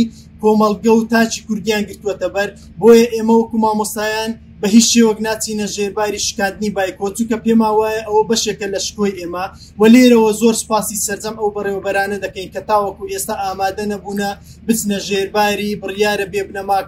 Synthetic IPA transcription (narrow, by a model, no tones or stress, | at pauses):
koːmɐlˠɡɐwt̪aːt͡ʃiːkʊɾd̪ijaːnɡɨɾt̪uwet̪ɐbɐɾ | boːjɐʔe̞ːmɐwɐkumaːmost̪aːjaːn | bɐɦit͡ʃʃewɐknaːt͡sinɐʒeɾbaːɾiːʃi̥kaːnd̪ɨniːbaːjkot͡ʃuŋkɐpeːmaːwaːjɐʔɐwɐbɐʃekɐlɐʃkoːjʔeːmɐ | wɐleːɾɐwɐzoːɾsɨ̥paːsisɐɾd͡zɐmɐwbɨrewɐbɐɾaːnɐd̪ɐkɐjnkɐt̪aːwɐkuʔest̪aːʔaːmaːd̪ɐnɐbuːnɐ | bɨt͡snɐʒeːɾbaːɾibɨrjaːɾɐbeːbnɐmaː